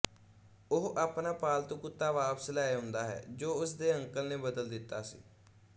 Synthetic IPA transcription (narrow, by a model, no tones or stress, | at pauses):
ʊɦʔaːpnaːpaːlt̪õːkʊt̪ːaːʋaːpslaːeɦʊ̃nd̪aːɦɛ̰ːd͡ʒoːʊsd̪eːə̃ŋkəlneːbəd̪əld̪ɪt̪ːa̰ːsḭː